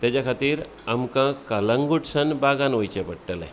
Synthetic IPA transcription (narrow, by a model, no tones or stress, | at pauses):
t̪jat͡ɕakʰat̪iːɾ | amkãkələŋɡuʈsənbaɡãnʋəjt͡ɕẽpəɽʈəlḛ